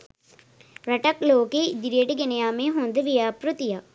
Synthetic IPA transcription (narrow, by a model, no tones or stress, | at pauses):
ɾɐʈəkloːked̪ɪɾeːʈɡenejaːmẽɦõːnd̪ʋijaːpɾʊt̪ijaː